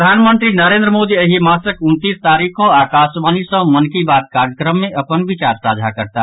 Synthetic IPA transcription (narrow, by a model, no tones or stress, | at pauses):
əd̪ʱanmənt̪ɾinəɾẽːnd̪ɾəmoːd̪iəɦimasəkʊnt̪ist̪aːɾikʰõakaːsbaːnisə̃mənkibaːt̪̚kaɾjəkɾəmːẽʔɐpənbit͡ʃaɾpɾad͡ʒʱakəɾt̪a